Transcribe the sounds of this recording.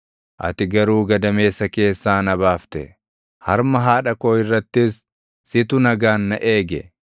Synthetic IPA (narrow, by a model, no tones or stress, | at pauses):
ʔɐ̰t̪ɪɡɐɾuːɡɐd̪ɐme̞ːsːɐke̞ːsːaːnɐbaːft̪ɛ̰ | hɐɾmɐɦaːᶑɐkoːɪrːɐt̪ːɪsː | ɪt̪ʊnɐɡaːnːɐʔe̞ːɡɛ